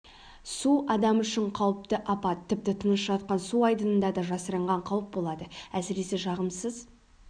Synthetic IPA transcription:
suʔɑd̪ɑmʏʃɪɴqʰɑwəp̚t̪əʔɑpɑt̪ʰːɪp̚t̪ɪt̪ʰənəsʒɑt̪̚qɑnsuɑjd̪ənənd̪ɑd̪ɑʒɑsəɾəɴʁɑɴqʰɑwəp̚bo̞lˠɑd̪əæsɪɾe̞se̞ʒɑʁəmsəz

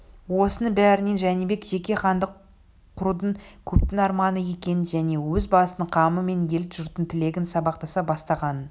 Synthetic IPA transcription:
wo̞sənəɴbæɾɪne̞nʒænibe̞kʒe̞kʲe̞χɑnd̪əqʰː | ʊɾud̪əɴkʲʰɵp̚t̪ɪnɑɾmɑnəje̞kʲe̞nɪnʒæne̞wɵzbɑsəəɴqʰɑməme̞nje̞lɪt̪ʒ̥ʊɾt̪ənt̪ʰɪle̞ɡʲɪnsɑbɑqt̪ɑsɑbɑst̪ɑʁɑnə

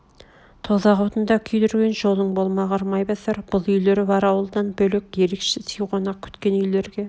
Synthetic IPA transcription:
t̪ʰozɑʁɑwt̪ənd̪ɑkʲʰʏjd̪ʏɾɡʲe̞nʒo̞lˠəɴbolˠmɑʁɑɾmɑjbɑsɑɾb̥ʊlˠʏjle̞ɾɪbɑɾɑwəlˠd̪ɑnbɵlekʲje̞ɾekʃɪsʰijʁonɑkʲʰʏ̥t̪kʲe̞nʏjle̞ɾɡʲe̞

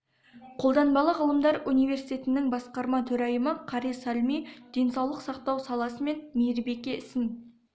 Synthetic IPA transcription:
qʰo̞lˠd̪ɑnbɑlˠəʁəlˠəmd̪ɑɾunijve̞ɾsijt̪ʲe̞t̪ɪnɪŋbɑsqɑɾmɑt̪ʰɵɾɑjəməqʰɑɾisalʲmijd̪̥e̞nsɑwlˠəqsɑq̚t̪ɑwsɑlˠɑsəme̞nmijɪɾbe̞kʲe̞ɪsɪn

